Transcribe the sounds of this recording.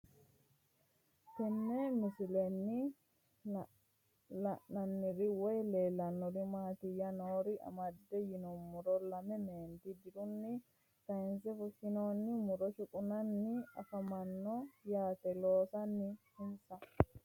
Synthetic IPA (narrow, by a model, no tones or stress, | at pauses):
tɛnːɛmɪsɪlɛnːɪ | lɐʔːɐnːɪɾɪwɔjleːlːɐnːɔɾɪmaːt̪ɪjɐnoːɾɪʔɐ̰mɐd̪ːɛjɪnɔmːʊɾɔlɐmɛmeːnd̪id̪ɪɾʊnːɪ | kɐɪnsɛfʊʃɪnoːnːɪmʊɾɔʃʊkʼʊnɐnːɪɐkɐmɐnːɔjaːt̪ɛloːsɐnːɪhɪnsɐ